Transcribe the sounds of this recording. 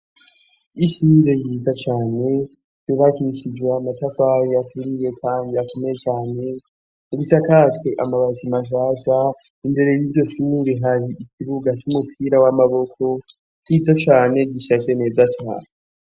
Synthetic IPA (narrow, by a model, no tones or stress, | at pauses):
iʃuɾe̞jiːd͡zat͡ʃaːne̞ | iβakiʃid͡ʒweamatakajojatuɾiwe̞kʰaːndiakomejet͡ʃaːne̞ | ɾisakatwe̞ʔamaβat͡ʃimaʃaːʒa | inde̞ɾe̞jibɟo̞ʃuɾeɦaɾiikʰiβuɡat͡ʃumupʰiːɾawamaβo̞kʰo̞ | t͡ʃizat͡ʃaːne̞ɟiʃat͡ʃeneːzat͡ʃa̰ːne